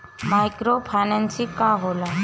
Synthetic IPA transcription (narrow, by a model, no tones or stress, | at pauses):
majkɾopʰajnansikaɦola